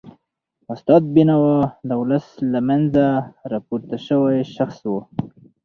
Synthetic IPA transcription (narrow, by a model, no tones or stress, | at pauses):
ʊst̪ɑd̪̚binawad̪əwʊləslamanzaɾɑpuɾt̪aʃəwajʃaxswo